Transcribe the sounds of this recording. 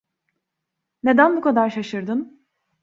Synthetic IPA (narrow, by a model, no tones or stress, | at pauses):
ne̞d̪ænbukʰad̪aɾʃaʃɯɾd̪ɯn